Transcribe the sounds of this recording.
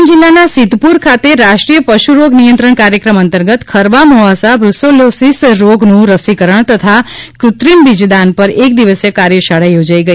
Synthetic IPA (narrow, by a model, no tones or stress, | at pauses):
nd͡ʒɪlːanasɪd̪puɾkʰat̪eɾaʃʈɾijəpəʃuɾoɡnijə̃nt̪ɾəɳ̃kaɾjəkɾəmə̃nt̪əɾɡət̪kʰəɾbamɔɦasabɾʊsolosisɾoɡnũɾəsikəɾəɳ̃t̪ət̪ʰa | kɾʊt̪ɾinbɪd͡ʒd̪anpəɾek̚d̪iʋəsjəkaɾjəʃaɽajod͡ʒaiɡəi